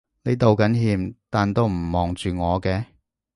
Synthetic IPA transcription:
ne˨˧jt̪o˨wkɐ˨˥nɦiː˧mt̪aː˨nt̪o˧wm̩˨˩mɔː˨˩ŋt͡ʃyː˨ŋɔː˨˧kɛː˧

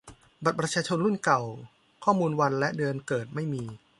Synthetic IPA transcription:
ba˨˩t̪̚pɾa˧˥t͡ɕʰaː˧t͡ɕʰo˧nɾu˥˩nka˨˩w | kʰɔː˥˩muː˧nwa˧nlɛ˦˥ʔdɯ˧ənkɤː˨˩t̪̚ma˥˩jmiː˧

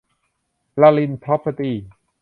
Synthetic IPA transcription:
la˧li˧nt̪ʰɔ˦˥pʰːa˧t̪iː˧˩

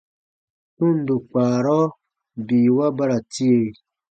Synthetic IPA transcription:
tu˦˨n˨du˨k͡paː˨ɾɔ˦ | biː˨wa˦ba˦ɾa˨ti˦e˦˨

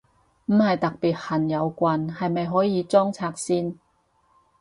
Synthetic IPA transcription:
m̩˨˥hɐ˨jt̪ɐ˨k̚piː˨t̚hɐ˨˩njɐ˨˧wkʷɐ˨nhɐ˨jmɐ˨jɦɔː˨˥jiː˨˧t͡sɔː˥ŋt͡sʰaː˧k̚siː˥n

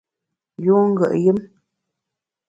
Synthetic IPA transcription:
ju˦ŋ˦ɡə̰˨ʔjə˦m

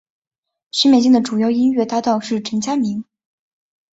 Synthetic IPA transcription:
ɕi˥mjɛ˥˩nɕ̬i˥˩ŋd̪ə˩ʈ͡ʂu˨˩jɑ˥˧ʊi˥nɥɛ˥˧t̪a˥˧t̪ɑ˥˧ʊʂɻ̩˥˩ʈ͡ʂʰə˧˥ŋt͡ɕja˥mi˧˥ŋ

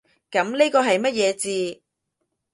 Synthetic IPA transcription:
kɐ˨˥mni˥kɔː˧ɦɐ˨jmɐ˥t̚jɛː˨˧t͡siː˧

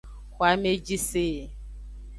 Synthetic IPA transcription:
kʷwa˨˦me˦d͡ʒi˦seː˦˨

